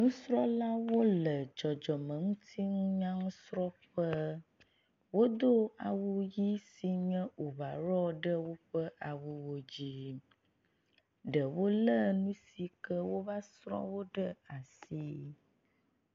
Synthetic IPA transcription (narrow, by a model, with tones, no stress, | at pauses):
ŋũ˦sɾɔ˦la˦wo˦lə˨d͡ʒɔ˨d͡ʒɔ˨mə̃˨ŋũ˦t̪ʰi˦ŋũ˦ɲã˦ŋũ˦sɾɔ˦ɸə˦ | wo˦d̪o˦a̰˨wu˦ji˦si˨ɲɛ̃˦o˨βa˨ɾɔ˦ɖə˦wo˦ɸə˦ʔa˨wu˦wo˦d͡ʑi˦ | ɖə˨wo˦lə˦nũ˦si˨kə˦wo˦va˦sɾɔ̰˦wo˦ɖə˦a˨si˦